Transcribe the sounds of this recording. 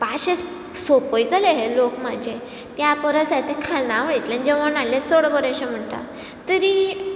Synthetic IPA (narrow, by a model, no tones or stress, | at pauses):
paɕes | sopojt͡s̪aleɦelokməd͡ʑʱe | t̪japəɾəsat̪ekʰalnaʋəɽit̪lẽnd͡ʑəʋənalet͡soɽbəɾeɕem̤əɳt̪a̰ | t̪əɾi